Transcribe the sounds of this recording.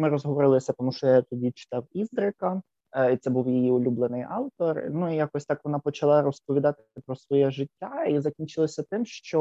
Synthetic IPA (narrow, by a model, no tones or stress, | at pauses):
mɪɾɔzɦɔʋɔɾɪlˠɪsʲɐt̪ɔmuʃt͡ʃɔjat̪ɔdʲit͡ʃɪ̥t̪ɑwizd̪ɾɪkɐ | it̪sɛbuwjijiʊlʲublˠenɪjɑwt̪ɔrnuijakɔsʲt̪ɑkʋɔnɑpɔt͡ʃɐlˠɑɾɔspɔʋʲid̪ɑt̪ɪɐpɾɔsʋɔjɛʒɪtʲːaizɐkʲinʲt͡ʃɪlˠɔsʲɐt̪ɪmʃt͡ʃɔ